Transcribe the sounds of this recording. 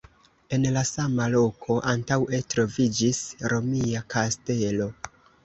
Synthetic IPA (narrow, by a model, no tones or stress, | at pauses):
e̞nlasamalo̞kʰo̞ʔantawe̞tɾo̞vid͡ʒisɾo̞miakʰaste̞lo̞